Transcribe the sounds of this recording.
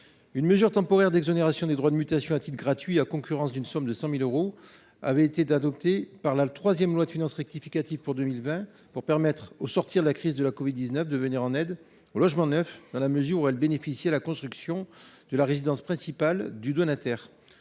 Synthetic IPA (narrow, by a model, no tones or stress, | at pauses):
ynməzyʁt̪ɑ̃pɔʁɛʁd̪ɛɡzoneʁasjɔ̃d̪ed̪ʁwad̪əmyt̪asjɔ̃at̪it̪ɡʁat̪ɥiakɔ̃kʲyʁɑ̃sd̪ynsɔmd̪əsɑ̃miløʁo | a̰vɛet̪ead̪ɔp̚t̪epaʁlat̪χwazjɛmlwad̪əfinɑ̃sʁɛk̚t̪ifikat̪ivpuʁd̪ømilvɛ̃ | puʁpɛʁmɛt̪χosɔʁt̪iʁd̪əlakχizd̪əlakɔvid̪ːiznœfd̪əvəniʁɑ̃nɛd̪ | olɔʒmɑ̃nœfd̪ɑ̃laməzyʁuɛlbenefisjɛlakɔ̃st̪χyksjɔ̃d̪̥əlaʁezid̪ɑ̃spχɛ̃sipald̪yd̪onat̪ɛʁ